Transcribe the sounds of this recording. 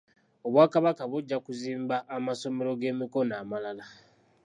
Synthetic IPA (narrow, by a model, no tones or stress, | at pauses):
oβwaːkaβakaβuɟːakuziːmbaʔːmaso̞me̞ɾo̞ɡe̞ːmiko̞naːmalala